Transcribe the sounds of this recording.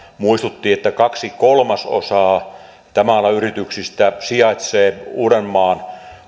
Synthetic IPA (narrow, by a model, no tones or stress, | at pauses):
muist̪ut̪ːiːet̪ːækɑksikolmɑso̰sɑː | t̪æmælːæyrit̪yksist̪æsiɑˑet̪seːuːrenmɑːn